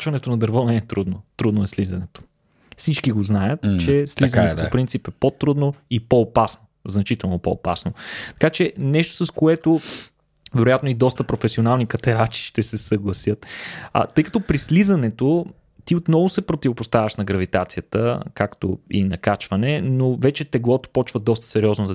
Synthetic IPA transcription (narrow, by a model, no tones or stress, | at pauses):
t͡ʃvɐnɛt̪onɐd̪ɐɾvɔnɛːt̪ɾud̪not̪ɾud̪noɛslizɐnɛt̪o̥ | fsit͡ʃkiɡoznajət̪t͡ʃɛslizənɛtopopɾint̪sipɛpot̪ɾud̪noipoːpasnoznɐt͡ʃit̪ɛlˠnopo̰opa̰snot̪ɐ̥kat͡ʃɛnɛʃt̪o̥sɐskoɛt̪o | vɛɾojat̪noid̪ɔst̪əpɾofɛsionalˠnikɐt̪ɛɾat͡ʃi̥ʃt̪ɛsɛsəɡlˠɐsjɤt̪t̪ɤjkɐt̪ɔpɾislizɐnɛt̪o | t̪iot̪nɔvʊsɛpɾot̪ivopʊst̪avʲəʃnɐɡɾɐvit̪at̪sijət̪ə̰kakt̪o̰ḭnɐkat͡ʃvɐnɛnovɛt͡ʃɛt̪ɛɡlˠɔt̪o̥pɔt͡ʃvəd̪ɔst̪ə̥sɛɾiɔznod̪